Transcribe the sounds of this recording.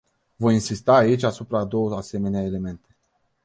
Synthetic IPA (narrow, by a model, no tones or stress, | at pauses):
vo̞jinsist̪aːit͡ʃʲasupɾad̪o̞wəase̞me̞neaele̞me̞nt̪e̞